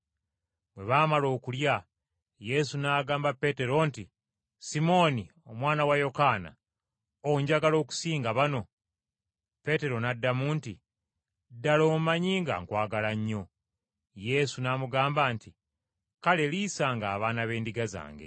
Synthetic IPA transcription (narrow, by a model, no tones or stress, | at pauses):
βwe̞βaːmalo̞ːkulja | je̞sunaːɡaːmbapːe̞te̞ɾo̞nti | simo̞ni | o̞mwaːnawajo̞kaːna̰ | oɲɟaɡalo̞ːku̥siːŋɡaβano̞ | pe̞te̞ɾo̞nadːamuːnti | dːalo̞ːmaɲiːŋɡa̰ŋkwaːɡalaɲːo̞ | je̞sunaːmuɡaːmbanti | kale̞liːsaːŋɡaːβaːnaβe̞ːndiɡaza̰ːŋɡe̞̰